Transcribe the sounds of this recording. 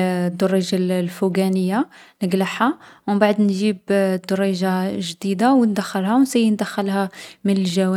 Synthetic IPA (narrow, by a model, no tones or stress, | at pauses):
d̪ːʊrˤːiʒallfuɡænəjːanəɡləħawmbaʕd̪nʒibd̪̥ːʊrˤiʒaʒd̪id̪awnd̪xəlhawnsæjnd̪æxəlhæmənəlʒæwæ